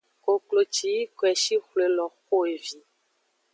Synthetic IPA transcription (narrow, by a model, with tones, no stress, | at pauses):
ko˨klo˨t͡ʃi˨˦i˦kɛ˨ʃi˦xle˨lɔ˨xo˦e˨vi˦